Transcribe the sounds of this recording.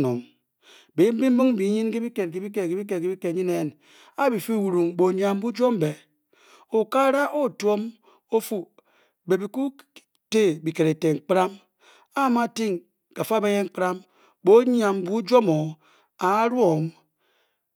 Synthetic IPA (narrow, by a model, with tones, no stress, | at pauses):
no˨m | be˨˦m̩˦bi˦m̩˦bi˦ŋ̩˦bi˨˦ɲi˦nke˦bi˦ke˨t̚k̬i˨˦bi˦k̬e˨ke˨bi˦k̬e˨ke˨˦bi˦ke˨ɲi˦ne˦˨n | a˦bi˨fi˦˨wu˨ɾu˨ŋbo˨ɲ˦a˨m˦bu˦d͡ʒo˦m˦be˨ | o˨ka˦ɾa˦ʔo˦˨to˦m | o˦fu˦ | be˨bi˨ku˦ | te˦bi˨ke˨ɾe˨te˨ŋ͡m̩˨k͡pɾa˦m | a˦ma˦˨ti˦ŋ | ka˨fa˦be˦je˦ŋ͡m̩˦k͡pɾa˦m | bo˦ɲ˦a˨mbu˦d͡ʒo˦mo˨ | a˨˦ɾwo˨m